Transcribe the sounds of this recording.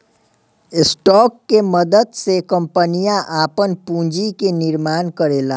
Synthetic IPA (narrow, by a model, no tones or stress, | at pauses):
sʈɔkːeməd̪əd̪sekəmpənijaʔapənpũd͡ʒikeniɾmaːnkəɾela